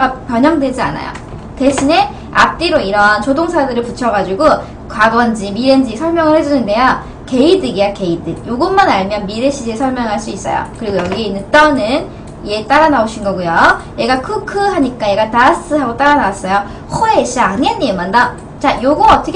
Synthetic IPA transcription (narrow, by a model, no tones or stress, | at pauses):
apjʌɲʌŋdwe̞d͡ʑia̰na̰jo̰ | te̞ɕʰine̞ | a̰p̚t͈iɾoiɾʌnt͡ɕodoŋsʰadɯɾɯɭput͡ɕʰʌɡad͡ʑiɡo | kwaɡʌnd͡ʑimiɾend͡ʑisʰʌɭmjʌŋɯɭhe̞d͡ʑunɯnde̞ja | ke̞idɯɡiake̞idɯjoɡɯnmanaɭmjʌnmiɾeɕʰid͡ʑesʰʌɭmjʌŋɯɦaɭs͈uis͈ʌjo̰kɯɾiɡojʌɡieinɯnt͈ʌnɯn | ie̞t͈aɾanaoɕʰinɡʌɡujojeɡakʰukʰɯɦaɲik͈aje̞ɡatas͈ʰɯɦaɡot͈aɾanawas͈ʌjo | hʰoeɕ͈iaŋenːemanda | t͡ɕajoɡʌʌt͈ʰʌkʰ